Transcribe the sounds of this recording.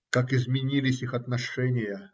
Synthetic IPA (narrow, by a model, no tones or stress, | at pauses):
kakɪzmʲɪnʲilʲɪsʲixɐt̪nɐʂɛnʲɪjə